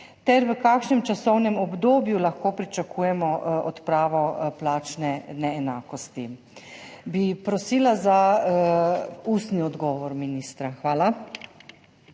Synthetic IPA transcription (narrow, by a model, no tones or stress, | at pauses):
t̪ɛɾʋəkaːkʃnɛmt͡ʃasɔwnɛmɔbd̪oːbjulaxkoːpɾit͡ʃakʰuːjɛmɔɔt̪pɾaːʋɔplaːt͡ʃnɛnɛːnaːkɔst̪i | bipɾɔsilaza | ust̪niɔd̪ɡɔːʋɔɾminiːst̪ɾaxʋaːla